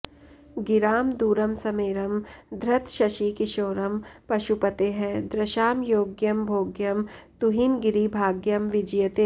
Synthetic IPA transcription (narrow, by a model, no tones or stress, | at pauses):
ɡɪɾaːmd̪uːɾɐmsɐmeːɾɐmd̪ʱɾɐt̪ʰʃɐʃikɪʃoːɾɐmpɐʃupɐt̪eɦɛd̪ɾɐʃaːmjoːɡjɐmbʱoːɡjɐmt̪uɦinɡɪɾibʱaːɡjɐmʋɪd͡ʒjɐt̪eː